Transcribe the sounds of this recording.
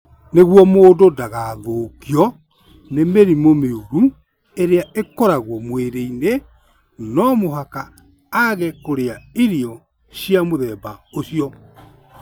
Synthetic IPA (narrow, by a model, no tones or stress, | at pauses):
neɣwɔmoːdodaɣaðokiɔ | nemeɾimomeuɾu | eɾeaʔekɔɾaɣwɔmweɾeine | nɔmoɦaka | aɣɛkoɾeaiɾiɔ | ɕjamoðɛːbaoɕiɔ